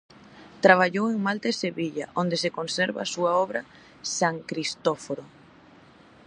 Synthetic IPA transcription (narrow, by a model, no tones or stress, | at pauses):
t̪ɾaβ̞aʎoweŋmalt̪aseβiʎaʔond̪esekonsɛɾβa̰ːsuaɔβɾa | saŋkɾist̪ofoɾo